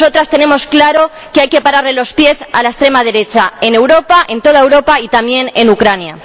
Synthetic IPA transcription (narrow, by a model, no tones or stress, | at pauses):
o̞t̪ɾast̪e̞ne̞mo̞sklaɾo̞ | keajke̞paɾaɾle̞lo̞spje̞sa̰laest̪ɾe̞mað̞e̞ɾe̞t͡ʃae̞ne̞wɾo̞paʔẽ̞nt̪o̞ð̞aewɾo̞pait̪amje̞ne̞nukɾanja